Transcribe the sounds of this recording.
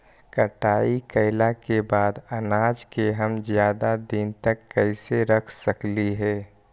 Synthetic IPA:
kəʈaːikəɪlakebaːd̪ɐnaːd͡ʒkeɦəmzjaːd̪ad̪int̪əkːəɪseɾəkʰsəkliɦɛː

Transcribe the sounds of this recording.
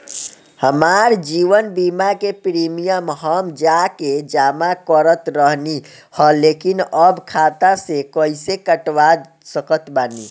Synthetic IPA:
həmaɾd͡ʒiʋənbimakepɾimijəmɦəmd͡ʒaked͡ʒamakəɾət̪ɾəɦni | həlekinəbkʰat̪asekəisekəʈwad̪ | səkət̪bani

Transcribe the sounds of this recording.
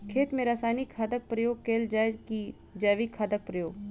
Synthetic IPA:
kʰeːt̪mẽɾaːsaːnikʰaːd̪ək̚pɾəjoːɡ̚keːld͡ʒaːki | d͡ʒaːʋikʰːaːd̪ək̚pɾəjoːɡ

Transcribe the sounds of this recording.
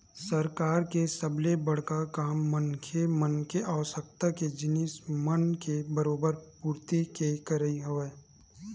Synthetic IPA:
səɾkaːɾkesəblebɐɽ̤kakaːmːənkʰemənkeʔaʋəsək̚t̪aked͡ʒɪnɪsmənkebəɾoːbəɾpuːɾt̪ikekəɾəiɦoʋeː

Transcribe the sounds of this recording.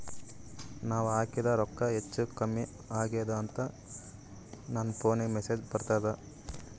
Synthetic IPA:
naːʋaːkid̪ɐɾɔkːɐɦet͡ʃːukɐmːi | aːɡed̪ɐːnt̪ɐ | nɐnːɐpoːneɡmeseːd͡ʒpɐɾt̪aːd̪ɐ

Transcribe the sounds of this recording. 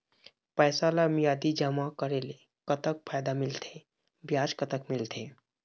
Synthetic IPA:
pəːsalamjaːd̪id͡ʒəmakəɾele | kət̪ək̚pʰaːjd̪amɪlt̪ʰe | bjaːd͡ʒkət̪əkmɪlt̪ʰẽ

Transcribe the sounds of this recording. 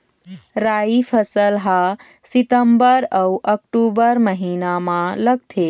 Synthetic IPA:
ɾaipʰəsəlɦa | sit̪əmbəɾəwʔəkʈubəɾməɦinamãləɡ̚t̪ʰe

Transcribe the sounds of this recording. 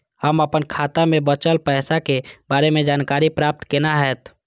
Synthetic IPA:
həməpənkʰaːt̪amẽbət͡ʃəlpɛɦsakebaːɾemẽd͡ʒaːnkaːɾipɾaːp̚t̪kenaɦɛt̪

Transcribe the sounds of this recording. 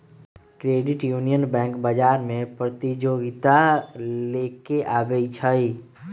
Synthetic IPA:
kɾeːɖɪʈjuːnijənbɛ̃ːŋkbəd͡ʒaːɾmẽpɾət̪id͡ʒoːɡɪt̪aleːkeʔaːbeit͡ʃʰəi

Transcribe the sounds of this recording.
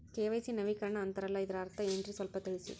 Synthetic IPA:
keːʋɐɪsinɐʋikɐɾɐɳɐːnt̪ɐɾɐlɐɪðɐɾɐɾt̪ɐɛndrisɔlpɐt̪ːɐɻɪsḭ

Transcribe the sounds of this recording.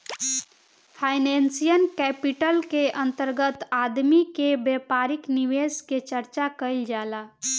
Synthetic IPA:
pʰaɪnensijənkɛpiʈəlkeʔənt̪əɾɡət̪ad̪mikebepaɾikniʋesket͡ʃəɾt͡ʃakəɪld͡ʒaːla

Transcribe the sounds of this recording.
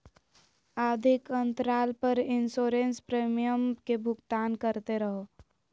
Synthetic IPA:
ad̪ʱikənt̪ɾalpəɾinsoɾenspɾemijəmkebʱʊɡt̪aːnkəɾt̪eɾəɦo

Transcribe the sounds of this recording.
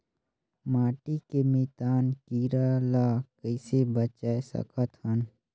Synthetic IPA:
maːʈikemeːt̪aːnkiːɾalakəɪsebət͡ʃaːesə̰kət̪ɦən

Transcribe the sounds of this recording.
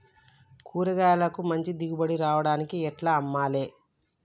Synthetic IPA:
kʰuːɾɐɡaːlɐkumɐɲt͡ʃid̪iɡubɐɽiɾaːʋɐɽaːnikiɛʈlaːɐmːaːle̞ː

